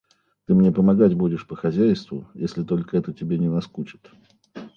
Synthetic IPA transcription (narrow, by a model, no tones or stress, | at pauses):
t̪ɨmnʲe̞pəmɐɡatʲbudʲɪʂpəxɐzʲæjst̪vʊ̰jesʲlʲɪt̪o̞lʲkəɛt̪ətʲɪbʲenʲɪnɐskut͡ɕɪ̥t̪